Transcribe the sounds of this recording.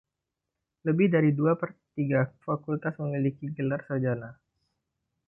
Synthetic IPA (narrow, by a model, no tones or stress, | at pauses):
ləbɪhdaɾiduapərt̪iɡafakult̪asməmilikiɡəlarsəd͡ʒana